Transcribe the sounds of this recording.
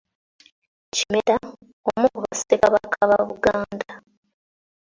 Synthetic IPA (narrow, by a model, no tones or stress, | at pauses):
cimeɾa | omukuβasi̥tekaβakʰːaβaβuɡaːnda